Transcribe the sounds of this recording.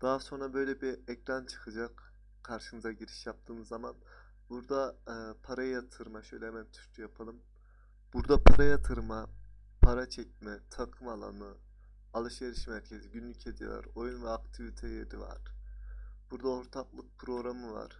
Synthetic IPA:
d̪̥aːso̞nɾabø̞jlʲɛbiɛcɾant͡ʃʰɯ̥kʰɯd͡ʒak | kʰaɾʃɯnɯzaɟiɾi̥ʃjap̚t̪ʰɯːnɯzaman | buɾd̪apʰaɾajjat̪ʰɯɾmaʃøjlʲɛmɛt̪ʰy̥ʃt̪ʰujapʰalˠɯm | b̥uɾd̪apʰaɾajat̪ʰɯɾma | pʰaɾat͡ʃʰɛc̚mɛt̪ʰakʰɯmalˠa̰nɯ | alˠɯʃjeɾiʃimæɾcʲʰe̞ziɟynlʲycʲʰed̪ijo̰la̰ɾo̞junvɛak̚t̪ʰivit̪ʰejeɾiva̰ɾ̥ | b̥uɾd̪aoɾt̪ʰaplˠɯk̚pʰɾo̞ɡɾamɯva̰ɾ̥

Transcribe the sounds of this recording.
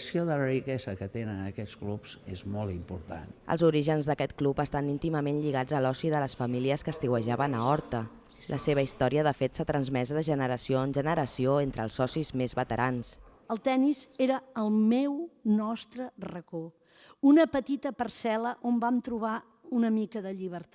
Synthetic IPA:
sioðələrikɛzəkət̪enənəkɛsklupz̥ezmɔlˠt̪impuɾt̪a̰nə̰lˠzuɾiʒənzðəkɛt̪klupəst̪anint̪iməmenʎiɣ̞ad͡zəlɔsiðələsfəmiliəskəst̪iwəʒaβənəɔɾt̪ə | lʔəseβ̞əist̪ɔɾiəðəfet̪sat̪ɾənzmɛzðəʒənəɾəsioənʒənəɾəsioent̪ɾəlˠsɔsizmezβət̪əɾʔans | əlˠt̪ɛnizeɾəəːlˠmewnɔst̪ɾərəko | unəpət̪it̪əpərsɛləʔombamt̪ɾuβ̞a | unəmikəðəʎiβ̞əɾt̪

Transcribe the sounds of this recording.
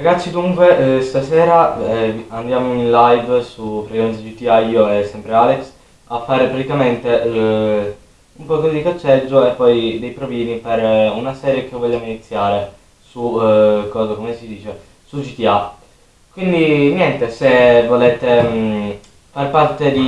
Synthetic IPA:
ɾaɡat̪sːid̪uŋkwest̪asɛːɾa | and̪jaːmoinlajvsupːɾaimend͡ʒit̪iaioɛsːɛmpɾealeks | afːaːɾepɾat̪ikament̪e | umpɔːkod̪ikat͡ʃːɛd͡ʒːoepːɔjd̪ejpɾoviːniperunasɛːɾjek̟evːoʎːaːvoinit̪sːjaːɾe | sukːɔːzakomesid̪iːt͡ʃe | sud͡ʒit̪ia | kwind̪injɛnt̪esevolɛːt̪e | farpart̪ed̪i

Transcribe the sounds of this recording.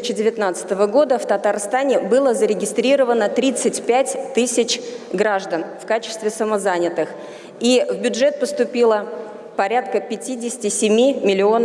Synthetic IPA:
ɪt͡ɕɪdʲɪvʲɪt̪nat̪sɨ̥t̪əvəɡo̞d̪əft̪ət̪arst̪anʲɪbɨlˠəzəɾʲɪɡʲɪst̪ɾʲiɾəvənət̪ɾʲit̪sɨtʲpʲætʲt̪ɨsʲɪt͡ɕɡɾaʐd̪ənfkat͡ɕɪ̥st̪vʲɪsəməzanʲɪt̪ɨx | ivbʲʊdʐɛt̪̚pəst̪ʊpʲilˠə | pɐɾʲat̪̚kəpʲɪtʲidʲɪsʲɪtʲɪsʲɪmʲimʲɪlʲɪo̞n

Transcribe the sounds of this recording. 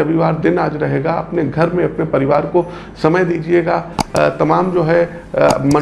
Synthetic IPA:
ɐʋiʋaːɾd̪ɪnaːd͡ʒɾɐɦeːɡaɐ̰pneɡʱɐɾmẽɐpnepɐɾɪʋaːɾko | sɐməjd̪iːd͡ʒieːɡat̪ɐmaːmd͡ʒoːɦɛ | mɐ̃

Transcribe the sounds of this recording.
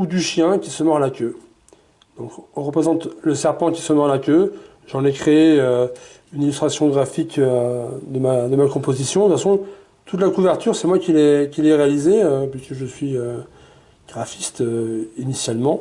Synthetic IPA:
ud̪yʃjɛ̃kʲisəmɔʁalakʲø | d̪̥ɔ̃kʁəpχezɑ̃t̪ləsɛʁpɑ̃kʲi̥səmɔʁlakʲø | ʒɑ̃nɛkχeeø | ynilyst̪χasjɔ̃ɡʁafik | d̪əmad̪əmakɔ̃pozisjɔ̃d̪əfasɔ̃ | t̪ut̪lakuvɛʁt̪yʁsɛmwakʲilɛkʲilɛʁealizeøpɥiskəʒəsɥiø | ɡ̥ʁafist̪øinisjalmɑ̃

